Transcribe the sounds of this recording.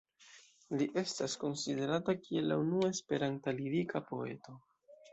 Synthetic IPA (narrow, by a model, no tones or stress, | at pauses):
liʔe̞stasko̞nside̞ɾatakie̞lːa̰unuaespe̞ɾantaliɾikʰapo̞̰e̞̰to̞